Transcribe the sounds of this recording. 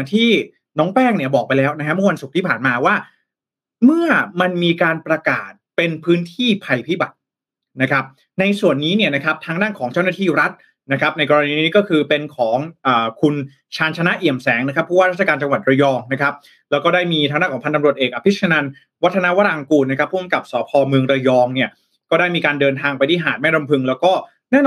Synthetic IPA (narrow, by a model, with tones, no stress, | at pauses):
t̪ʰiː˥˩ | nɔː˦˥ŋpɛː˥˩ŋni˥˩ɐbɔː˨˩k̚pa˧jlɛː˦˥wna˦˥kʰa˦˥mɯ˥˩˨wa˧nsu˨˩k̚t̪ʰiː˥˩pʰaː˨˩nmaː˧waː˥˩ | mɯ˥˩ɐma˧nmiː˧kaː˧npɾa˧ka̰ː˨˩t̪̚pe˧npʰɯː˦˥nt̪ʰiː˥˩pʰa˧jpʰiː˥˩ba˨˩t̪̚ | na˦˥kʰɾa˦˥p̚ | na˧jsu˨˩ənːiː˦˥ni˥˩ɐna˦˥kʰa˦˥p̚t̪ʰaː˦˥ŋdaː˥˩nkʰɔː˩˦ŋt͡ɕa˥˩wna˥t̪ʰiː˥˩ɾa˦˥t̪̚ | na˦kʰɾa˦˥p̚na˧jkɔː˧ɾa˧niː˧nː˦iː˦˥kɔː˥˩kʰɯː˧pe˧nkʰɔː˩˦ŋʔaː˨˩kʰu˧n | t͡ɕʰaː˧nt͡ɕʰna˦˥ʔi˨˩əmsɛː˩˦ŋna˦˥kʰa˦˥pʰːuː˥˩waː˥ɾa˦˥t̪̚t͡ɕʰa˧kaː˧nt͡ɕa˧ŋwa˨˩t̪̚ɾa˧jɔː˧ŋna˦˥kʰɾa˦˥p̚ | lɛː˦˥wkɔː˥˩daː˥˩jmiː˧t̪ʰaː˦˥ŋdaː˥˩nkʰɔː˩˦pʰa˧nt̪a˧mɾu˨˩ət̪ʔeː˨˩k̚ʔa˧pʰi˦˥t̪̚sʰa˧na˧n | wa˦˥t̪ʰːa˧na˦˥wa˦˥˩ɾa˧ŋkuː˧nːa˥kʰa˦˥pʰːu˥˩ə˨mka˨˩p̚sɔː˩˦pʰɔː˧mɯ˧əŋɾa˧jɔː˧ŋni˥˩ɐ | kɔː˥˩daː˥˩jmiː˧kaː˧ndɤː˧nt̪ʰaː˧ŋpa˧jt̪ʰiː˥˩ɦaː˨˩t̪̚mɛː˥˩ɾo˧mpʰɯ˧ŋlɛː˦˥wkɔː˥˩ | nɛː˥˩n